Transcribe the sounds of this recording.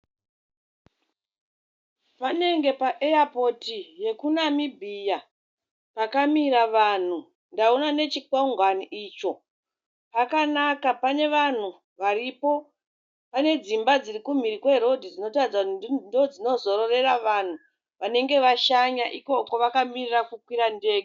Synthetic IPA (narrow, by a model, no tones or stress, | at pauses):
pane̞ŋɡe̞paʔejapotije̞kunamibʱija | pakamiɾaʋan̤u | ndaunane̞t͡ʃikauŋɡwaniʔiːt͡ʃo̞ | pakanakapane̞ʋan̤u | ʋaripo̞ | pane̞d͡zimbad͡zirikum̤iɾikwe̞ɾo̞dʱid͡zino̞tad͡zandod͡zino̞zo̞ɾo̞re̞raʋan̤u | ʋane̞ŋɡe̞ʋaʃaɲaʔiko̞koʋakamirirakukwiɾande̞ːke